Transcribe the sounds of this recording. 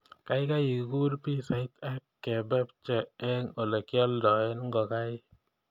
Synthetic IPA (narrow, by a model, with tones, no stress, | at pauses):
ka˦jka˦ji˨ɡu˦ɾpi˦sa˨ɪ˦t̪a˦kːɛ˨bɛ˦p̚t͡ʃɛ˨ɛ˦ŋo˨lɛ˨kɪ˦ɔ˦ldɔ˨ɛ˦nŋɡɔ˨ka˦ɪ˦